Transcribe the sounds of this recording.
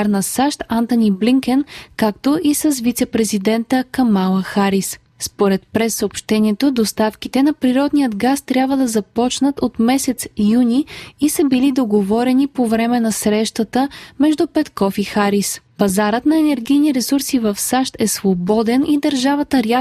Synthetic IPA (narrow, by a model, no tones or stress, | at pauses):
ɾnɐsaʃt̪ant̪onibliŋkɛnkakt̪oʔisəsvit̪sɛpɾɛzid̪ɛnt̪əkɐmalˠəxaɾis | spoɾɛt̪̚pɾɛsːəopʃt̪ɛniɛt̪od̪ost̪afk̟it̪ɛnɐpɾiɾɔd̪nijəd̪ɡast̪ɾʲabvəd̪ɐzɐpɔt͡ʃnət̪ot̪mɛsɛt̪sjuniisɐbilid̪oɡovɔɾɛnipovɾɛmɛnɐsɾɛʃt̪ət̪əmɛʒd̪upɛt̪kɔfixaɾispɐzaɾət̪nɐɛnɛɾɡijniɾɛsuɾsivɐfsaʃt̪ɛsvobɔd̪ɛnid̪əɾʒavət̪əɾja